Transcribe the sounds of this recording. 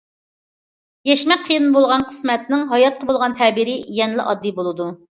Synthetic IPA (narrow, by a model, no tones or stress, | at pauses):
jɛʃmɛk̚qʰːəjɨnbolˠʁɑnqʰə̥smɛt̪̚nɪŋɦɑjɑt̪̚qʰəbolˠʁɑnt̪ʰɛbiɾɪjɛnlɪ̰ʔɑd̪ːibolˠɨd̪u